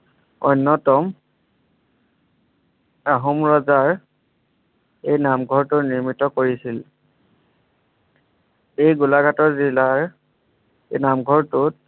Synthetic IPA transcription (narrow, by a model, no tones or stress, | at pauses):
ɔnːɔtɔm | aɦumɹɔzaɹ | ejnamɡʱɔɹtʊniɹmitɔkoɹisil | ejɡulaɡʱatɔɹzilaɹ | ejnamɡʱɔɹtʊt